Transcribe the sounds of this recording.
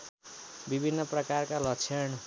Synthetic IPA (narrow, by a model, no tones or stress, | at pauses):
bibʱinːʌprʌkarkalʌkt͡sʰeɳ